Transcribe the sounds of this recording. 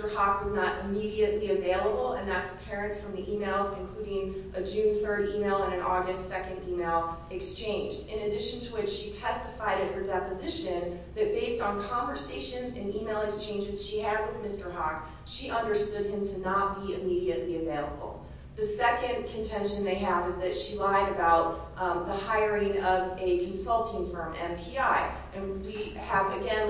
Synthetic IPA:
tə˞hɑkwʌznəɾʔɨmiɾiɨʔˡliɨveɪlˠəbl̩ˠə̰̃nðætsə̥pʰɛɹɨ̃ntfɹʌ̃mðiʔimeɪlˠzɨ̃nkʰl̥ʉɾɪ̃ŋʔɨd͡ʒʉ̃nθɜ˞ɾimeɪlˠə̃nɨ̃nʔɔɹɡɨstsɛkɨ̃ndimeɪlˠ | ɨkst͡ʃʰẽɪ̃nd͡ʒdɨ̃nɨdɪʃɨ̃n̩tʰəwɨt͡ʃʃitʰɛstɨfaɪɾɨt̚hə˞dɛpɨzɪʃɨ̃n | ðɨt̚b̥eɪstn̩kʰɑ̃ɱvə˞seɪʃɨ̃nzɨ̃nimeɪlˠɨkst͡ʃʰẽɪ̃nd͡ʒɨz̥ʃiɨd̚wɨðmɪstə˞ɦɑk | ʃiʔʌ̃ndə˞stʊd̚ɨ̃mtʰɨnət̚b̥iɨmiɾiɨʔˡliɨveɪlˠə̰bl̩ˠ | ðɨsɛkɨ̃nkʰɨ̃ntʰɛ̃nʃɨ̃nðeɪɨvɨzðɨtʃilaɪɾɨbaʊt̪̚ | ðəhaɪə˞ɪ̃ŋʌvɨkʰn̩sʌlˠtɪ̃ŋfɹʌ̃mɛ̃mpʰiaɪ | ɨ̃nwi | əvɨɡɛ̃n

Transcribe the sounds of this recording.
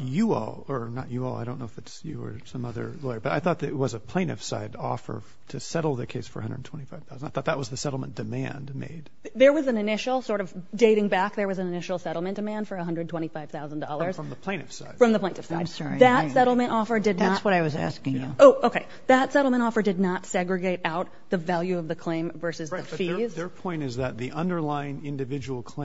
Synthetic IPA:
jɨɔ̰lˠə˞nə̰t͡ʃɨɔ̰lˠaɪɾõʊ̃nːoʊɪfɨtsjɨ̰ə̰˞sʌ̃mʌðə̰˞lɔɪə˞b̥ʌɾaɪθɔt̪̚ðɨt̚wʌzəpʰl̥ẽñtɨfsa̰ɪdɔ̰fə̰˞ | ɾʰɨsɛɾl̩ˠðɨkʰeɪsfə̰˞ɨ̰ʌ̃ndə˞dn̩tʰwɛ̃ñifaɪv̥θaʊzn̩daɪθɔt̪̚ðəʔ̚wʌzðɨsɛɾl̩ˠmə̃n̩d̥ɨmæ̰̃ndmḛɪd̥̚ | ðə˞wʌzɨ̃nɨnɪʃl̩ˠsɔɹɾʌvdeɪɾɪ̃ŋbæk̚ðə˞wʌzɨ̃nɨnɪʃl̩ˠsɛɾl̩ˠmɨ̃nd̥ɨmæ̃nd̥fə˞ɨɦʌ̃ndɹɨd̚tʰwɛ̃ɾ̃ifaɪv̥θaʊzn̩dɔ̰lˠə˞z̥fɹʌ̃mðəpʰl̥ẽɪ̃tɨfsaɪd̥̚fɹʌ̃mðəpʰẽɪ̃tɨfsaɪdmsɑɹðɨtsɛɾl̩ˠmɨ̃ñtɔfə˞dɨdⁿnəswʌɾaɪwʌzæ̰skɪ̃ŋjʉoʊʔoʊkʰeɪ | ðɨtsɛɾl̩ˠmə̃ɾ̃ɔfə˞dɨdⁿnətsɛɡɹɨɡeɪɾaʊt̪̚ | ðɨvælˠjʉʌvðɨkʰl̥ẽɪ̃ɱvɜ˞sɨzðɨfiz̥ə˞pʰɔ̃ɪ̃ñtɨzðɨt̪̚ðiʔʌ̃ndə˞laɪɪ̃ŋɪ̃ndɨvɪd͡ʒəwl̩ˠkʰl̥ẽ

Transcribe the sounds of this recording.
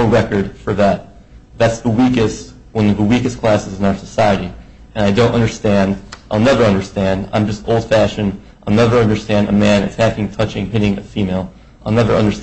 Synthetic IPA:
ɹɛkə˞d̥fə˞ðæt̪̚ | ðætsðəwikɨst | wʌ̃nʌvðəwikɨskʰl̥æsɨzɨ̃n̩aʊə˞səsaɪɨɾi | ɨ̃naɪdõʊ̃nʔʌ̰̃ndə˞stæ̃ndʔaɪlˠnɛvə˞ʌ̃ndə˞stæ̃ndã̰ɪ̃md͡ʒʌstoʊlˠd̥fæʃɨ̃n | ʔaɪnɛvə˞ʌ̃ndə˞stæ̃ndɨ̰mæ̃nɨtʰækɪ̃ŋtʰʌt͡ʃɪ̃ŋpɪɾɪ̃ŋɨfimeɪlˠ | aɪlˠnɛvə˞ʌ̰̃ndə˞s

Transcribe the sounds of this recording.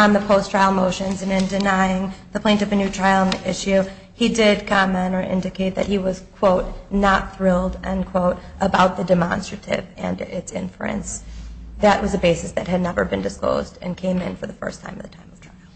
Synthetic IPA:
ə̃nðəpʰoʊstʰɹ̥aɪlˠmoʊʃɨ̃nzɨ̃nɨ̃ndɨnaɪɪ̃ŋðɨpʰl̥ẽɪ̃ntʌvɨnʉtʰɹ̥aɪl̩ˠɪʃʉ | idɪd̚kʰɑmɨ̃nə˞ʔɪ̰̃ndɨkʰeɪt̪̚ðɨt̚hiwʌz̥kʰw̥oʊt̚nət̪̚θɹɪlˠdɨ̃nkʰw̥oʊɾʔəbaʊt̪̚ðɨdɨmɑ̰̃nstɹ̥ɨɾɪ̰vɨ̰̃nɪtsɪ̰̃ɱflṵɨ̰̃nsðɨʔ̚wʌzɨbeɪsɨsðɨt̚ɦɨdⁿnɛvə˞bɨ̃ndɨsklo̰ʊzdɨ̰̃nkʰẽɪ̃mɨ̰̃nfə˞ðəfɜ̰˞stʰãɪ̃mʌvðɨtʰãɪ̃mʌv̥tʰɹ̥aɪlˠ

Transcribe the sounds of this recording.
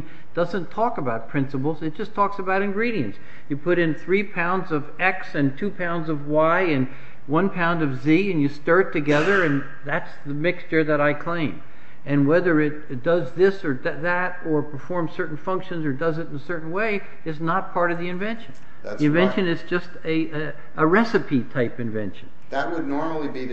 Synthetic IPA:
d̥ʌzɨ̃ntʰɔkəbaʊt̚pʰɹ̥ɪ̃nsəp̬l̩ˠzɨt̚d̥ʒ̥ʌstʰɔksɨbaʊɾɨ̃nɡɹiɾiɨ̃ns | jɨpʰʊɾɨ̃nθɹipʰãʊ̃ndzʌvɛksɨ̃ntʰʉpʰãʊ̃ndzʌvwaɪɨ̃n | wʌ̃npʰãʊ̃ndʌvziɨ̃njɨstɑ˞tʰɨɡɛðə˞ɨ̃n | ðætsðɨmɪkst͡ʃə˞ðɨɾaɪkʰl̥ẽɪ̃m | ɨ̃nwɛðə˞ɪt̚ | d̥ʌzðɪsə˞ððɨɾ | ə˞pʰə˞fɔɹmz̥sɜ˞ʔn̩fʌ̃ŋkʃɨ̃nzə˞dʌzɨɾ̃nəsɜ˞ʔn̩weɪ | ɨtznət̚pʰɑɹɾʌvðiɨ̃ɱvɛ̃nʃɨ̃n | ðiɨ̃nvɛ̃nʃɨ̃nɨzd͡ʒʌstɨ | əɹɛsɨpʰitʰaɪpɨ̃ɱvɛ̰̃nʃɨ̃n̩ | ðɨt̚wədⁿnɔɹml̩ˠibi

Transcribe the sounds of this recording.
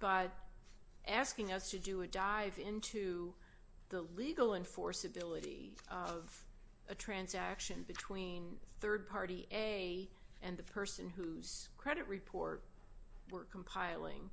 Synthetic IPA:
b̥ʌɾ | ʔæskɪ̃ŋʌstʰɨdɨɨdaɪvɪ̃ntʰʉ | ðəliɡl̩ˠɨ̃ɱfɔɹsɨbɪlˠəɾḭʌv | ʔɨtʰɹ̥æ̃nzækʃɨ̃nbɨtʰw̥ĩnθɜ˞d̚pʰɑɹɾiʔeɪ | ʔɨ̃nðɨpʰɜ˞sɨ̃nɦuz̥kʰɹ̥ɛɾɨʔ̚ɹɨpʰɔ̰ɹt̚ | wə˞kʰm̩pʰaɪlˠɪ̰̃ŋ

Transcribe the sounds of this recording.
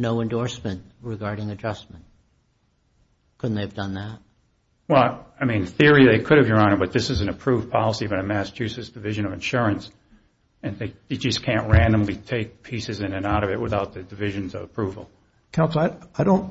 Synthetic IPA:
noʊɨ̃ndɔɹsmɨ̃nʔɹɨɡɑɹɾɪ̃ŋɨd͡ʒʌsm̃n̩t̚ | kʰʊdⁿn̩ðeɪɨvdʌ̃nðæt̚ | wɛlˠaɪmĩnθɪɹiðeɪkʰʊɾɨvdɹʌ̃nbʌt̪̚ðɪsɨzɨnɨpʰɹ̥uv̥pʰɑlˠəsibʌɾɨmæsə̥t͡ʃʰʉsɨsd̥ɨvɪʒɨ̃nʌvɨ̃nʃʊɹɨ̃ns | ɨ̃nðeɪðeɪd͡ʒʌskʰæ̃nʔ̚ɹæ̃ndə̃mlitʰeɪk̚pʰisɨzɨ̃nɨ̃naʊɾʌvɨt̚wʔəθaʊt̪̚ðɨdɨvɪʒɨ̃nzʌ̰vəpʰɹ̥uvl̩ˠ | kʰãʊ̃nsaɪaɪɾõʊ̃nt

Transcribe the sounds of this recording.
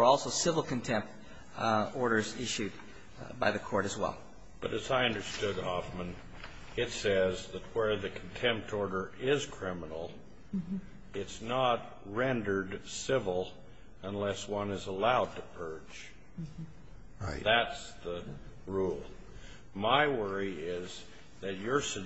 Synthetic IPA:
ə˞ɔlˠsoʊsɪvl̩ˠkɨ̃n̩tʰɛ̃mp̚t | ɔɹɾə˞zɪʃʉd̚ | baɪðɨkʰɔɹɾɨzwɛ̰lˠ | b̥ʌɾɨzaɪʌ̃ndə˞stʊd̚hɑfmə̃n | ɪtsɛzðɨt̚wə˞ðɨkʰn̩tʰɛ̃mp̚tʰɔɹɾə˞ɪz̥kʰɹ̥ɪ̃mənl̩ˠ | ɪtsnət̚ | ɹɛ̃ndə˞dsɪvl̩ˠ | ə̃nlɛswʌ̃nɨzəlaʊd̚tʰɨpʰɜ̥˞d͡ʒ | ɹaɪðæts | ðə | ɹulˠ | maɪwɜ˞iɪz | ðɨt͡ʃə˞sɨ

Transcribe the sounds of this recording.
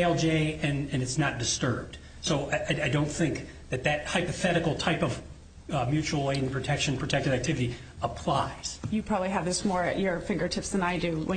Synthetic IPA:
ɛlˠd͡ʒeɪɨ̃nɨ̃nɨtsnət̚d̥ɨstɜ˞b̚d̥ | soʊaɪaɪdõʊ̃nθɪ̃ŋk̚ | ðɨt̪̚ðɨt̚haɪpɨθɛɾɨkl̩ˠtʰaɪpʌv | mjʉt͡ʃul̩ˠẽɪ̃pʰɹ̥ɨtʰɛkʃɨ̃npʰɹ̥ɨtʰɛk̚tɨɾæk̚tʰɪvɨɾi | əpʰl̥aɪz̥jɨpʰɹ̥ɑbəbliɨvðɪsmɔɹɨ̰ʔə˞fɪ̃ŋɡə˞tʰɪpsðə̃naɪdʉwə̰̃

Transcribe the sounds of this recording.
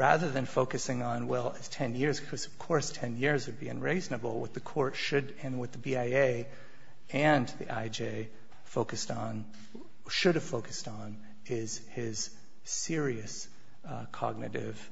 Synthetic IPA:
ɹæðə˞ðɨ̃nfoʊkɨsɪ̃ŋə̃nwɛlˠɪz̥tʰɛ̃njɪɹzkʰʌz̥ʌv̥kʰɔɹstʰɛ̃njɪɹzwɨd̚biɨ̰̃nɹeɪznɨbl̩ˠwʌ̰t̪̚ðɨkʰɔɹtʃɨɾɨ̃nwɨðɨbiaɪeɪ | ɨ̃nðḭʔaɪd͡ʒeɪ | foʊkɨstn̩ | ʃʊɾɨv̥foʊkɨ̥st | n̩ | ɪz̥ | ɪz̥ | sɪɹiɨs | kʰɑ̰ɡ̚nɨɾɪ̰v̥

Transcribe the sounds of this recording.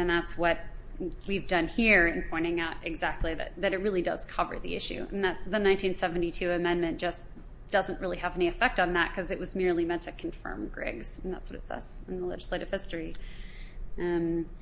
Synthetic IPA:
ɨ̃nðætswʌt̚ | wivdʌ̃nhiɹɨ̃npʰɔ̃ɪ̃ɾ̃ɪ̃ŋaʊɾɨɡzæk̚tˡliðɨ̰t̪̚ðɨɾɨt̚ɹɪlˠidʌ̰z̥kʰʌvə̰˞ðḭɪʃʉ̰ɨ̰̃nðætsðɨnãɪ̃ntʰĩnsɛvn̩titʰʉɨmɛ̃nmɨ̃nd̥ʒ̥ʌs | d̥ʌzə̃n̩ʔ̚ɹɪlˠiɨvɛniɨfɛk̚tn̩ðət̚kʰʌzɨʔ̚wʌzmɪɹlimɛ̃ntʰɨkʰnɱfɜ̰̃˞mɡɹɪ̰ɡz̥n̩ðæ̰tswʌɾɨtsɛ̰z̥ɨ̃nðəlɛ̰d͡ʒɨsleɪɾɨv̥hɪstɹ̥i | m

